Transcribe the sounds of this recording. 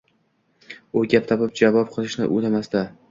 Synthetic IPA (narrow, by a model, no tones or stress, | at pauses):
oɡʲap̚t̪ʰɒpɪp̚d͡ʒavɒp̚qʰɨlˠɪʃnɪ̰ʔolamast̪a